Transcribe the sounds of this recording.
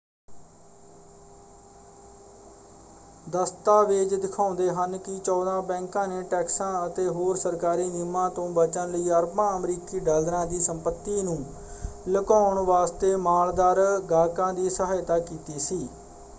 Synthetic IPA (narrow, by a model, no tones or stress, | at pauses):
d̪əst̪aːʋeːd͡ʒd̪ɪkʰãːnd̪eːɦənkit͡ʃɔːd̪ãːbɛ̃ːŋkãːneːʈɛːksãːət̪eːɦoːɾsəɾkaːɾiːnɪmãːt̪õːbət͡ʃənləiːəɾbãːəmɾiːkiːɖəld̪ɾãːd̪iːsəmpət̪ːiːnũː | ləkaːʊɳʋaːst̪eːmaːld̪aːɾɡaːkãːd̪iːsəɦaːjt̪aːkiːt̪iːsiː